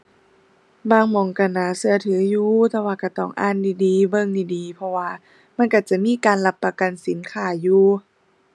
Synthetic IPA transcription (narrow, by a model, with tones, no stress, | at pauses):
baː˧˩ŋmɔː˨˩ŋka˧˩naː˨˦sɯ˧ɐt̪ʰɯː˨˦juː˧t̪ɛː˧waː˧ka˧˩t̪ɔː˧˩ŋʔa̰ː˧˥˨ndiː˧˩diː˨˦bɤ˧˨ŋdiː˧˩diː˨˦pʰɔ˧waː˧ | ma˧˥nka˧˩t͡ɕa˧˩miː˧˥˨kaː˨nla˧˥pːa˧ka˨nsi˨˦nkʰaː˧˩juː˧˩